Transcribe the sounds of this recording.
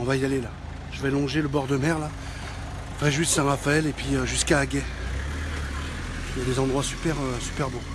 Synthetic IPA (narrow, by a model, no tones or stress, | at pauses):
ɔ̃vaijalela | ʒ̥əvɛlɔ̃ʒeləbɔʁd̪əmɛʁla | fʁɛʒyisɛ̃ʁafaɛlepɥiøʒyskaːɡʲɛ | ijad̪ezɑ̃d̪ʁwasy̥pɛʁøsy̥pɛʁbo